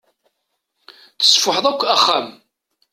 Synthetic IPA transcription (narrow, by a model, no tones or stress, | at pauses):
θə̥sfʊħəðˤækʷːæχːæm